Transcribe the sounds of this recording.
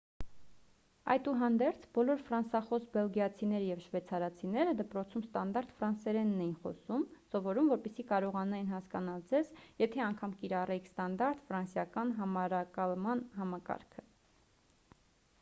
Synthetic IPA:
ɑ̰jt̪uɦɑnd̪ɛɾt͡sʰbɔlɔɾfɾɑnsɑχɔsbɛlɡijɑt͡sʰinɛɾəjɛvʃvɛt͡sʰɑɾɑt͡sʰinɛɾəd̪əpɾɔt͡sʰumst̪ɑnd̪ɑɾt̪fɾɑnsɛɾɛnːɛjinχɔ̰sumsɔvɔɾumvɔɾpɛsikɑɾɔʁɑnuɛɛnɦɑskɑn̪ɑld͡zɛzjɛt̪ʰɛɑŋkʰɑmkiɾɑrɛkʰst̪ɑnd̪ɑɾt̪fɾɑnsjɑkɑnɦɑmɑɾɑkɑlmɑnɦɑmɑkɑ̰ɾkʰə

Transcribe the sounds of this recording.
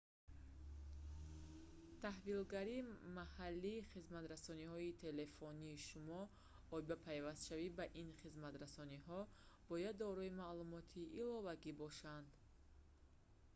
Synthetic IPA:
t̪ʰahvilɡaɾimahalːiːχizmat̪ɾasɔnihɔit̪ʰe̞le̞fɔniːʃumɔ | ɔibapʰajvast̪ʃavibaʔinχizmat̪ɾasɔniɦɔ | b̥ɔjad̪ːɔɾɔimalumɔt̪ʰiʔːlɔvaɡibɔʃand̪

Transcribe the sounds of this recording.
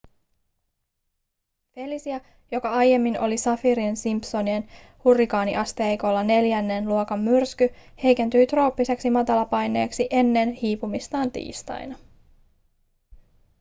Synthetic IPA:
fe̞lisiɑ | jo̞kɑɑjːe̞mːino̞̰lisɑfiɾiensimpso̞nie̞n | hurːikɑːnḭʔɑst̪ejko̞lːɑne̞ljænːenluokɑmːyrskyhe̞jke̞nt̪yjt̪ro̞ːpːise̞ksimɑt̪ɑlɑpɑjne̞ːksiʔe̞nːe̞nhiːpumist̪ɑːnt̪ḭːst̪ɑ̰jnɑ

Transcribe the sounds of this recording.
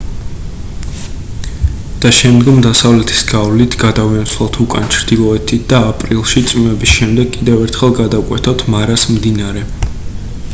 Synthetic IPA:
d̪̥aʃɛmd̪ɡɔmd̪asavlɛt̪ʰi̥sɡavlit̪ʰɡad̪avint̪sʰlˠat̪ʰukʼa̰nt͡ʃʰɾd̪̥ilˠɔɛt̪ʰit̪̚ʰd̪̥aːpʼɾilˠʃit̪sʼmimɛbisʃɛmd̪ɛɡkʼid̪ɛvɛɾt̪ʰχɛlˠɡad̪akʼwɛt̪ʰɔt̪ʰmaɾasmd̪inaɾɛ

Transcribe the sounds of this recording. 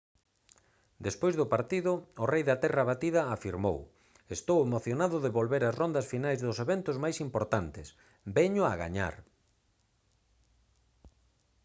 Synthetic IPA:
d̪espojzðʊpaɾt̪iðʊːrejðat̪ɛraβat̪iðɐːfiɾmo̰w | est̪owemoθjonaðʊðeβolβeɾazrond̪ɐsfinajzðʊseβent̪ʊzmajsimpoɾt̪ant̪ɪs | bɛɲʊaɣa̰ɲa̰ɾ

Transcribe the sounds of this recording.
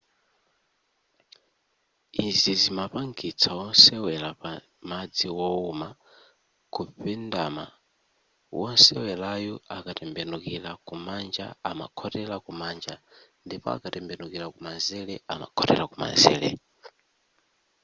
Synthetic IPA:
izizimapaŋɡit͡sʰawɔnsɛwɛlapa | mad͡ziwɔuma | kupɛndama̰ | wɔnsɛwɛlajɔakatɛmbɛnukilakumand͡ʒa̰ama̰kʰɔtɛlakumaːnd͡ʒandipɔ̰a̰katɛmbɛnukilakumanzɛlɛama̰kʰɔtɛ̰lakuma̰nzɛ̰ːlɛ̰

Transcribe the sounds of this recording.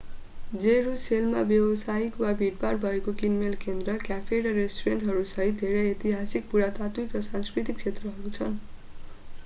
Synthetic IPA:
d͡zeɾuselmabjewʌsaikwabʱiʈ̚parbʱʌekokinmelkend̪rʌkjapʰeɾʌɾesʈuɾeɳʈɦʌɾusʌɦit̪̚d̪ʱeɾʌjet̪iɦasik̚puɽat̪at̪uikrʌsãnskrit̪ik̚t͡sʰet̪rʌɦʌɾut͡sʰʌn

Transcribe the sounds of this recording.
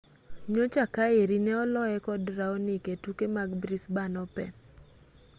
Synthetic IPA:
ɲot͡ʃakaeɾinɛɔlɔɛkɔdɾaɔnɪketukemaɡbɾisbanɔpɛ̰

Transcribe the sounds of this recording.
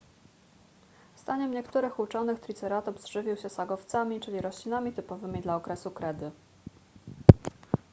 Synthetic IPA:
st̪aɲɛmɲɛkt̪uɾɘxut͡ʂɔnɘxt̪ɾʲit̪sɛɾat̪ɔbzʐ̥ɘvʲiwɕɛsaɡɔft̪samʲit͡ʂɘlʲiɾɔɕlʲinamʲit̪ɘpɔvɘmʲid̪laɔkɾɛsukɾɛd̪ɘ

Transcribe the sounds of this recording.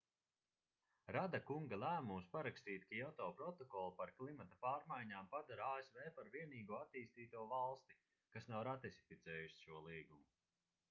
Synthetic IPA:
ɾad̪akuŋɡalˠæːmumspaɾakst̪iːt̪kaɔt̪ɔːpɾɔt̪ɔkɔlˠpaɾklˠimat̪apaːɾmajɲaːmpad̪aɾaːesvɛːpaɾviɛniːɡuɔat̪iːst̪iːt̪uɔvalˠst̪i̥ | kasnawɾat̪isi̥fit̪sɛːjuʃi̥ʃuɔlˠiːɡumu

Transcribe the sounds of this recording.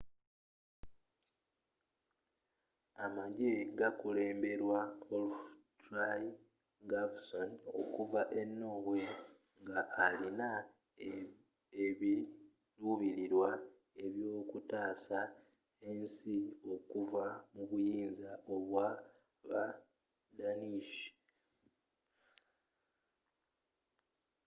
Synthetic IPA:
amaɟe̞ɡakule̞ːmbe̞ɾwaolufta | ɡabsono̞̰kuvaʔe̞nːo̞ːβwe | ŋɡaʔːlina | eβi | luβiɾiɾwa | e̞βjo̞ːkutaːsa | e̞nsio̞kuvamuβujiːnzaʔo̞βwa | βa | daniʃi̥

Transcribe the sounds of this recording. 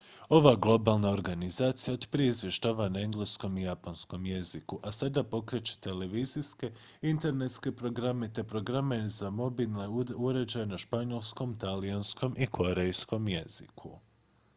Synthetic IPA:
o̞ʋaɡlˠo̞balˠnao̞ɾɡanizaːt̪sijaod̪pɾeizʋʲjeʃt̪aʋanaeŋɡlesko̞mijaponsko̞mje̞zikuʔasad̪apo̞kɾe̞t͡ɕe̥t̪e̞le̞ʋiziske̞int̪e̞ɾne̞t̪ske̞pɾo̞ɡɾamet̪e̞pɾo̞ɡɾame̞zamo̞bilneuɾe̞d͡ʑajenaʃpaɲo̞lˠsko̞mt̪alijansko̞mʔikʰo̞ɾe̞jsko̞mje̞z̥ikʰu

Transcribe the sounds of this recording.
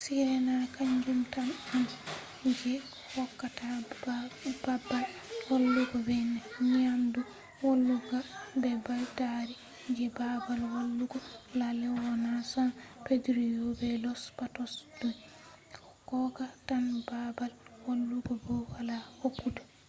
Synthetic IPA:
siɾɛnakaɲd͡ʒumtanan | d͡ʒɛ | hɔkːata | babalwolːuɡɔbɛnɛɲiandu | wolːuɡabɛbaltaɾi | d͡ʒɛbabalwolːuɡɔlalɛwɔnasapedɾijɔbɛlɔspatɔsduj | kɔkɔːɡatanbabalwolːuɡɔbɔwalahokːudu

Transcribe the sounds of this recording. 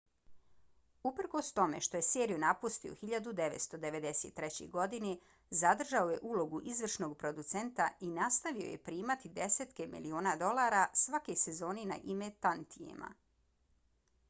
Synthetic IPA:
upr̩ko̞st̪o̞me̞̰ʃt̪o̞je̞seːɾijunapust̪io̰xiʎad̪ud̪eʋe̞t̪st̪o̞d̪e̞ʋe̞d̪e̞set̪ːɾet͡ɕḛɡo̞d̪ine | zad̪r̩ʒaoje̞̰ʔuːlo̞ɡuʔizʋr̩ʃno̞ɡpɾo̞d̪ut̪se̞nt̪ainast̪aʋio̞̰je̞̰pɾiːmat̪id̪e̞set̪ke̞mḭlio̞ːnad̪o̞laːɾasʋake̞jse̞zo̞ːnina̰ʔimet̪ant̪ijḛma̰

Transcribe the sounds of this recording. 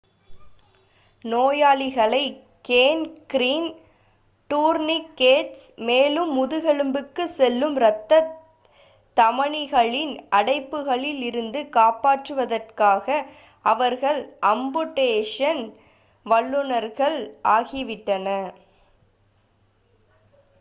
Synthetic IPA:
noːjaːɭɪɣɐɭɐɪ | keːnkɾiːn | ʈuːɾnɪkːeːʈsmeːlɯmːʊðɯɣɛɭɯmbɯkːɯsɛlːɯmɾɐt̪ːɐ | t̪ɐmɐɳɪɣɐɭɪnɐɽɐɪpːɯɣɐɭɪlɪɾɯnd̪ɯkaːpaːʈrɯʋɐðɐrkaːɣɐ | ɐʋɐɾɣɐɭʔɐmbɯʈːeːʂɐn | ʋɐɭːɯnɐɾɣɐɭʔaːɣɪʋɪʈːɐnɐ

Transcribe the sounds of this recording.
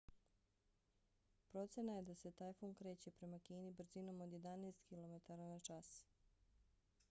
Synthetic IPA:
pɾo̞t̪senaje̞d̪ase̞t̪aːjfuːŋkɾe̞ːt͡ɕe̞pɾe̞makiːnibr̩zino̞mo̞d̪je̞d̪aneːst̪kilˠo̞me̞t̪aɾanat͡ʃas

